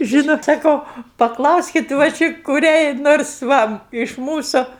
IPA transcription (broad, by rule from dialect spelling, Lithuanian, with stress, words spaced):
ˈʒʲiːnoːt sɐˈkɐʊ pɐˈklˠɐʊsʲkʲɪt ʋɐ ˈt͡ʃʲɪ kʊˈrʲɛɪ ˈnoːrs ˈʋɐ ɪʃ ˈmuːsʊ